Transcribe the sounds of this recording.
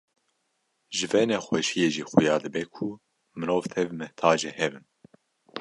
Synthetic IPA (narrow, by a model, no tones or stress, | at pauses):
ʒɨvɛnɛxʷɛʃijeːʒiːxujɑːd̪ɨbɛkʰu | mɨɾoːvt̪ʰɛvmɨht̪ʰɑːd͡ʒɛhɛbɨn